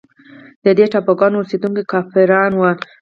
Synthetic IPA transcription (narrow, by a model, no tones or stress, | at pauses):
d̪əd̪eʈɑpoɡɑnosed̪uŋkikɑfɪɾɑnwa